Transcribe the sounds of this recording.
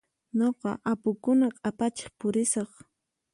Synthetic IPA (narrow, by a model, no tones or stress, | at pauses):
ɲoqɑ̰ʔapʊkʊnakʼapat͡ʃɪ̥χpʊɾɪsɑχ